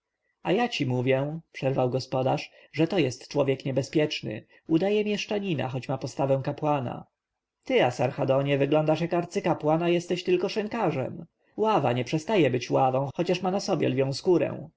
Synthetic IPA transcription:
ajat͡ɕimuvʲjɛpʂɛɾvawɡɔspɔd̪aʂ | ʐɛt̪ɔjɛst̪t͡ʂwɔvʲjɛkɲɛbɛspʲjɛt͡ʂnɘ̰ | ud̪ajɛmʲjɛʂt͡ʂaɲina̰xɔt͡ɕmapɔst̪avɛ̃w̃kapwana̰ | t̪ɘasaɾxad̪ɔɲɛvɘɡlɔnd̪aʂjakaɾt̪sɘkapwanajɛst̪ɛɕt̪ɘlkɔʂɛŋkaʐɛ̰m | wava̰ɲɛpʂɛst̪ajɛbɘt͡ɕwavɔ̃w̃xɔt͡ɕaʂmanasɔbʲjɛ̰lvʲjɔ̃w̃skuɾɛ̰̃w̃

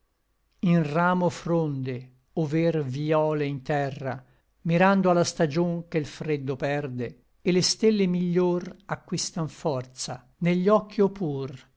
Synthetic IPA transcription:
inraːmofɾond̪e | overviɔːleint̪ɛrːa̰ | miɾand̪oalast̪ad͡ʒoŋkelfɾed̪ːopɛrd̪eː | lest̪elːemiʎːorakːwist̪aɱfɔrt̪sa̰ | neʎːɔkːiopuːr

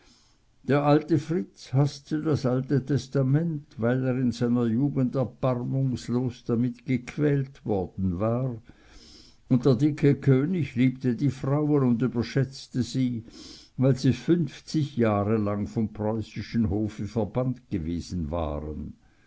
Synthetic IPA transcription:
d̥eːɐʔaltəfʁɪt͡shastədasaltətʰɛstamɛntvaɪleːʁɪnzaɪnɐjuːɡəndɛɐb̥aʁmʊŋsloːsd̥amɪtɡ̥əkʰv̥ɛːltvɔɐd̥n̩vaːʁ | ʊnt̚d̥eːɐdɪkʰəkʰøːnɪçliːp̚tədiːfʁaʊənʊndyːbɐʃɛt͡stəziːvaɪlziːfʏnft͡sɪçjaːʁəlaŋfɔmpʁ̥ɔʏsɪʃn̩ɦoːfəfɛɐbantɡ̥əveːz̥n̩va̰ːʁə̰n

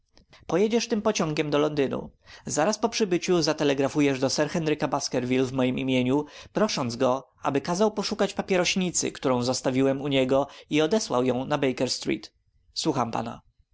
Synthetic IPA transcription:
pɔjɛd͡ʑɛʂt̪ɘmpɔt͡ɕɔ̃ŋɡʲɛmd̪ɔlɔnd̪ɘnṵzaɾaspɔpʂɘbɘt͡ɕuzat̪ɛlɛɡɾafujɛʐd̪ɔsɛɾxɛnɾɘkabaskɛɾvʲilvmɔjimimʲjeɲupɾɔʂɔnd̪zɡɔʔa̰bɘkazawpɔʂukat͡ɕpapʲɛɾɔɕɲit̪sɘ̰kt̪uɾɔ̃w̃zɔst̪avʲiwɛmuɲɛɡɔiɔd̪ɛswa̰wjɔ̃w̃nabɛjkɛɾst̪ɾḭt̪ | swuxampa̰na̰

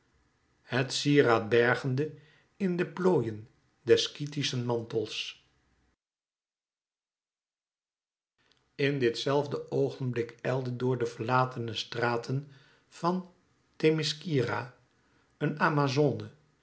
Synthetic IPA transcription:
hətsiəraːd̚bɛɹχəndə | ɪndəploːjən | dɛskitisənmɑntəlˠs | ɪndɪtsɛlˠvdəʔowχənblɪkɛjlˠdədʊːɹdəv̥əɹlaːtʰənəstraːtʰən | v̥ɑn | temɪskiraː | ənaːmazoːnə

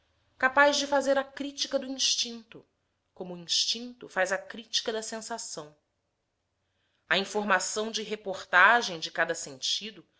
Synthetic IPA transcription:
kapaʒd͡ʒɪfazeɾɐkɾit͡ʃikɐd̪ʊĩʃt͡ʃĩnt̪ʊ | kõmʊːĩʃt͡ʃĩnt̪ʊfajzɐkɾit͡ʃi̥kɐd̪ɐsẽsasɐ̃w̃ | ɐĩfoɾmasɐ̃w̃d͡ʒɪɦepoχt̪aʒẽj̃d͡ʒɪkad̪ɐsẽnt͡ʃid̪ʊ

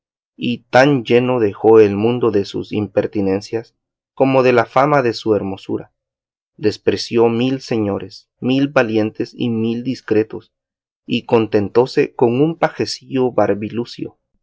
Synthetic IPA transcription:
it̪and͡ʒe̞no̞ðe̞xo̞e̞lmũnd̪o̞ðesṵsḭmpe̞ɾt̪ine̞nsjas | ko̞mo̞ðe̞lafamaðe̞sue̞ɾmo̞sṵɾa | d̪e̞spɾe̞sjo̞milse̞ɲo̞ɾes | milbalje̞nt̪e̞sḭmild̪iskɾe̞t̪o̞s | iko̞nt̪e̞nt̪o̞seko̞ŋumpaxe̞siʝo̞βaɾβilusjo̰

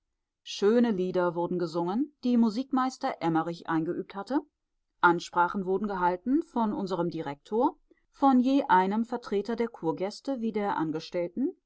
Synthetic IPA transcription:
ʃøːnəliːdɐvʊɐdn̩ɡəzʊŋənd̥iːmuziːkmaɪstɐʔɛmɐʁɪçʔa̰ɪnɡəʔy̰ːp̚thatə | ʔanʃpʁ̥aːχn̩vʊɐdn̩ɡəɦaltn̩fɔnʔʊnzəʁəmdiʁɛk̚tʰoːɐ | fɔnjeːʔaɪnəmfɛɐtʁ̥eːtɐdeːɐkʰuːɐɡɛstəviːdeːɐʔa̰nɡəʃtɛltn̩

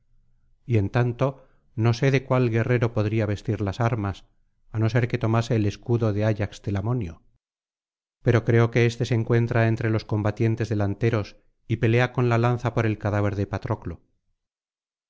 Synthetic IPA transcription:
ie̞nt̪ant̪o̞ | no̞se̞ðe̞kwalɣe̞re̞ɾo̞po̞ðɾiaβe̞st̪iɾlasaɾmas | ano̞se̞ɾke̞t̪o̞mase̞ːle̞skuðo̞ðe̞aʎakst̪elamo̞njo | pe̞ɾo̞kɾe̞oke̞est̪e̞se̞ŋkwe̞nt̪ɾae̞nt̪ɾe̞lo̞sko̞mbat̪je̞nt̪e̞zðe̞lant̪e̞ɾo̞s | ipe̞le̞ako̞nlalanθapo̞ɾe̞lkaðaβ̞e̞ɾðepat̪ɾo̞klo

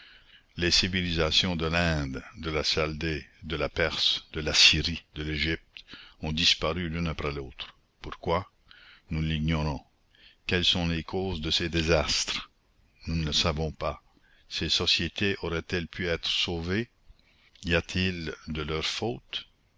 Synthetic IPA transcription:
lesivilizasjɔ̃d̪əlɛ̃d̪d̪əlasald̪ed̪əlapɛʁsd̪̥əlasiʁid̪əleʒip̚t̪ɔ̃d̪ispaʁylỹnapɾɛloːt̪ɾ | puʁkwa | nuliɡɲɔɾɔ̃ | kɛlsɔ̃lekʰoːzd̪əsed̪ezast̪ʁ | nunəsavɔ̃pa | sesɔsjet̪ʰeʔɔʁɛt̪ɛlpʰyɛːt̪ʁəsoːve | iat̪ʰild̪əlœʁfoːt̪

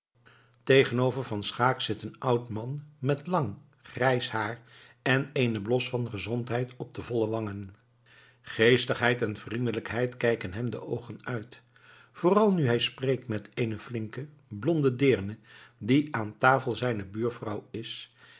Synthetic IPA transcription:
tejχənowvəɹvɑnsχaːksɪtənʔʌwtmɑnmɛtlɑŋ | χrɛjshaːɹ | ɛneːjnəblɔsfɑnχəzɔntɦɛjtɔb̚dəvɔlˠəʋɑŋən | χejstəχɦɛjtɛnv̥rindələkɦɛjtkɛjkənɦɛmdə̰ʔowχənœɥt | fʊːrɑlˠnyɦɛjsprejk̚tmɛteːnəflɪŋkə | blɔndədɪːɹnədiaːntaːfəlˠzɛjnəbyːɹfrɑwɪs

